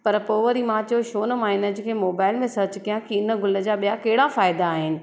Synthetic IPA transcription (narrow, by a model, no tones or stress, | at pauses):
pɐɾpoːʋəɾimãt͡ɕoʃoːnmaːɪnəd͡ʑkʰeːmoːbaːɪlmẽsɐt͡ɕkijãkiɪnəɡʊləd͡ʑaːɓijakɐɦɪɽafaːɪd̪aːɦɪnɪ̆